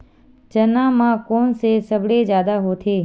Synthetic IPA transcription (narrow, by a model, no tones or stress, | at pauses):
t͡ʃənãːmãkoːnsesəbɽed͡ʒjaːd̪aɦot̪ʰeː